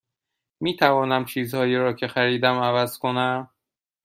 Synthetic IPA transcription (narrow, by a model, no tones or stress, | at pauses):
miːt̪ʰævɒːnæmt͡ʃʰiːzhɒːjiːɾɒːcʰe̞xæɾiːd̪æmævæz̥kʰo̞næm